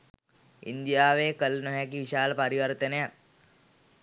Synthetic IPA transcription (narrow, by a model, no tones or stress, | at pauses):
ḭnd̪jaːʋeːkəlnəɦɛkiʋiʃaːlpɐɾiʋəɾt̪ənejak̚